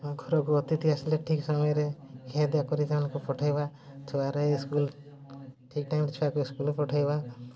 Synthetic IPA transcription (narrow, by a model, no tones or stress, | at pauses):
ɡʱɔɾɔkuɔt̪it̪iasileʈʰiksɔmɔjɔɾeked̪jakɔɾit̪amanãŋkupɔʈʰajba | t͡ʃʰubaɾeskul | ʈʰik̚ʈajmɾet͡ʃʰuakuiskulepɔʈʰajba